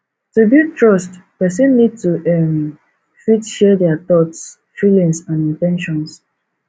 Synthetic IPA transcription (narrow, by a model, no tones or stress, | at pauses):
tubitɹɔstpɛs̬ɛ̃nːid̚tuʔɛm | fitʃɛdɛat̪ɔts | filĩŋsãnĩntɛ̃nʃɔ̃ns